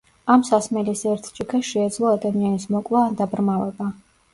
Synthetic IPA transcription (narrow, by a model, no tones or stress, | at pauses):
amsasmɛlisɛɾt̪ʰt͡ʃʼikʰɛʃɛːd̪zlˠɔad̪amianismɔkʼlaːnd̪abɾmavɛba